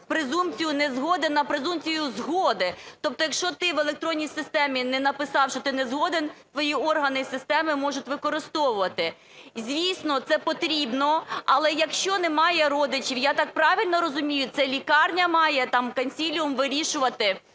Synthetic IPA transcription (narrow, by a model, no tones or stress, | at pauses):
pɾɪzumt͡sʲijʊnɛzɦɔd̪enɐpɾezumt͡sʲijʊzɦɔd̪ɪt̪ɔp̚t̪ɔjɐkʃt͡ʃɔt̪ɪʋelˠek̚t̪ɾɔnʲːijsɪst̪ɛmʲinɛnɐpɪsɑwʃt͡ʃɔt̪ɪnɛzɦɔd̪ent̪ʋɔjiɔrɦɐnɪsɪst̪ɛmɪmɔʒʊtʲʋɪkɔɾɪst̪ɔʋʊʋɐt̪ɪ | zʲʋʲisnɔt̪sɛpɔt̪ɾʲibnɔɐlˠɛjɐkʃt͡ʃɔnɛmɑjɛɾɔd̪ɪt͡ʃiwjat̪ɑk̚pɾɑʋʲilʲnɔɾɔzʊmʲijʊt̪sɛlʲikɑrnʲɐmɑjɛt̪ɑmkɐnʲsʲilʲiʊmʋɪɾʲiʃʊʋɐt̪ɪ